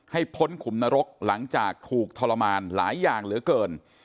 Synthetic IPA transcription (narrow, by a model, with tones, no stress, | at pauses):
ha˥˩jpʰo˦˥nkʰu˩˦mna˧ɾo˦˥k̚la˩˦ŋt͡ɕaː˨˩k̚t̪ʰuː˨˩k̚t̪ʰɔː˧la˧maː˧nla̰ː˩˦jːaː˨˩ŋɾɯ˨˩˦əkɤː˧n